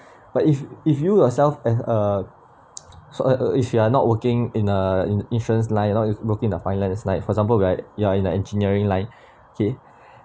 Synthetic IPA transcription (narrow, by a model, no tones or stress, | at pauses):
b̥atififjujɔsɛlfɛsə | sɔifjuanɔʔ̚wəkɪ̃ŋĩnəĩntɹə̃nslãɪ̃njanɔtwəkɪ̃ŋĩndəfãɪ̃nlãnsnãɪtfɔɛɡzãmpəlwiajuaĩnəɛ̃nd͡ʒiniəɹĩŋlãɪ̃n | okʰe